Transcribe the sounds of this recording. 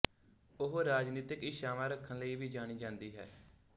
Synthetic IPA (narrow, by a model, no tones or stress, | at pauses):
ʊɦɾaːd͡ʒniːt̪ɪkɪʃaːʋãːɾəkʰːənləiːʋiːd͡ʒaːɽ̃iːd͡ʒãːnd̪iːɦɛ̰ː